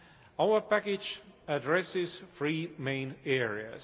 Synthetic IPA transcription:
awə˞pækɪd͡ʒədɹɛsɪz̥fɹiːmẽɪ̃nɛɹiɨ̰z

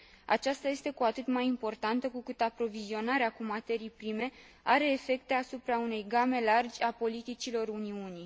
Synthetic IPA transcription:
a̰t͡ʃast̪aje̞st̪e̞kuat̪ɨt̪majimpo̞rt̪ant̪əkukɨt̪apɾo̞vizio̞naɾeakumat̪e̞ɾijpɾime̞ | aɾe̞ːfe̞kt̪e̞asupɾaune̞jɡame̞lard͡ʒʲapo̞lit̪it͡ʃilo̞runiuni

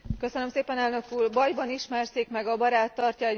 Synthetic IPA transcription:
kø̞sønømseːpɛnɛlnø̞kuːrbɒjbɒniʃmɛrseːkmɛɡɒbɒɾaːt̪ːɒrcɒɛ

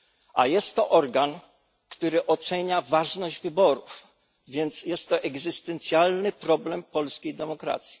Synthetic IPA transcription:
ʔa̰jɛst̪ːɔʔɔɾɡan | kt̪uɾɘʔɔt̪sɛɲavaʐnɔʑd͡ʑvɘbɔɾuf | vʲjɛnt̪sjɛst̪ːɔʔɛɡzɘst̪ɛnt̪sʲjalnɘpɾɔblɛmpɔlskʲejd̪ɛmɔkɾa̰t̪sʲji̥

